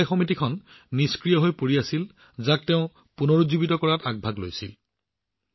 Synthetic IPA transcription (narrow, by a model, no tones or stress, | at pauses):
jxɔmit̬ikʰɔnːiskɹijɔɦojpoɹiasil | zak̚teʊ̃ | punɔɹuzubitɔkɔɹataɡ̚bʱaɡlo̰jsil